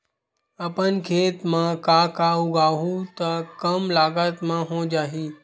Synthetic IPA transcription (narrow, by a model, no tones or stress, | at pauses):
əpənkʰeːt̪mãkaːkaːuɡaːɦũt̪əkəmlaːɡət̪mãɦõd͡ʒaːɦiː